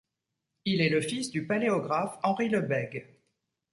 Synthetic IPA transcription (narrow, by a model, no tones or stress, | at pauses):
ilɛləfisd̪ypaleɔɡʁafɑ̃ʁiləbɛɡ